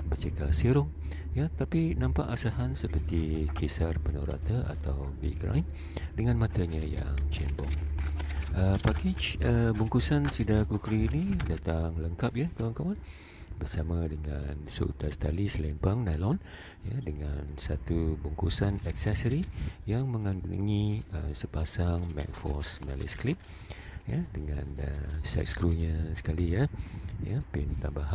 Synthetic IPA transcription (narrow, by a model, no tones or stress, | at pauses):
bət͡ʃekasiɾʊŋ | jat̪apinãmpaʔasaɦansəpərt̪ikʰisarpənoɾa̰t̪aʔa̰t̪awbḭkɾa̰jm | dəŋãnmãt̪aɲəja̰ŋt͡ʃɛmbɔ̰ŋ | ʔəpakid͡ʒəbuŋkusansidakukɾinidat̪aŋləŋkap̚jat̪awaŋkawan | bərsamãdəŋa̰nsə̰ṵt̪ast̪alislɛmpaŋnalɔn | jadəŋansat̪ubuŋkusanɛksɛsəɾijaŋmə̃ŋanduṵŋĩə̰səpasaŋmɛ̰̃tfɔ̰smɛlḭsklit̪̚ | jadəŋãnəsɛ̰k̚skɾuɲasə̥kalijajapint̪aŋbaɦa